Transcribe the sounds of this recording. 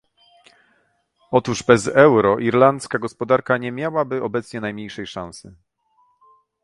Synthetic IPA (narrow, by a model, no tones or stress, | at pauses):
ɔt̪uʐbɛzɛwɾɔʔiɾlant̪skaɡɔspɔd̪aɾkaɲɛmʲjawabɘɔbɛt̪sɲɛnajmɲejʂɛjʂãñsɘ̰